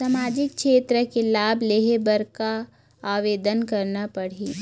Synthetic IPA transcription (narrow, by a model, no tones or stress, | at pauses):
samaːd͡ʒɪk̚ʃeːt̪ɾəkelaːbleɦebəɾka | aːʋeːd̪ənkɐɾnapɐɽiː